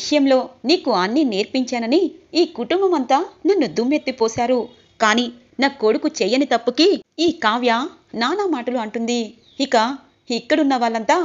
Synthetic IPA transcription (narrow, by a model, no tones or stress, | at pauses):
ʋiʂɐjɐmlo̞ːniːkuɐnːineːɾpiɲt͡ʃaːnɐniiːkuʈumbɐmɐnt̪aːnɐnːud̪umet̪ːipɔːsaːɾu | kaːniː | naːkoɽukut͡ʃɛjːɐnit̪ɐpːukiiːkaːʋja | naːnaːmaːʈɐluɐɳʈund̪i | ikɐ | ikːɐɽunːɐʋaːɭːɐnt̪aː